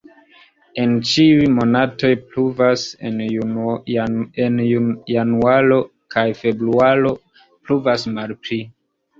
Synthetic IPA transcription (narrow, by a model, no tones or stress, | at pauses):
e̞nt͡ʃiujmo̞nato̞jpluvasen | enjanualo̞ | kʰajfe̞bɾualo̞ | pluvasmalpɾi